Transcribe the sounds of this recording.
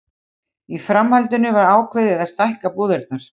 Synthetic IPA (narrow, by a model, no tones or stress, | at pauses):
ifɾamhalt̪ʏnʏvaɾaːwkʰvɪðɪðast̪ajhkapuːðɛɾt̪̚naɾ̥